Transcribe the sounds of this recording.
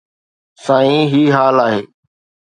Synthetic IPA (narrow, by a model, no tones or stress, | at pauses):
sãːĩːɦiːɦaːlaːɦeː